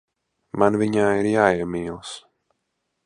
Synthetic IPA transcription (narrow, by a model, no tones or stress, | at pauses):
manviɲaːiɾjaːiɛmiːlˠs